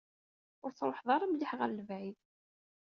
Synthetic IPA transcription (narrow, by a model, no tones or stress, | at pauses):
ʊɾt͡sɾˤoħðˤɑɾˤəmləħʁəɾləvʕi